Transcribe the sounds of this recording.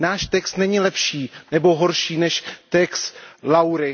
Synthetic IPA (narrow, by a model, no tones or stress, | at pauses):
naːʃt̪ɛkst̪nɛɲɪlɛpʃiːnɛbo̞ɦoɾʃiːnɛʃt̪ɛkst̪lawɾɪ